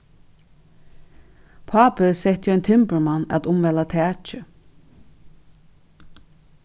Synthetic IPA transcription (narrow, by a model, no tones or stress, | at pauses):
pʰaːpəsɛht̪jɔjnt̪ʰɪmpəɹmanːæ̰t̪ʊmvɛlat̪ʰɛːt͡ʃɪ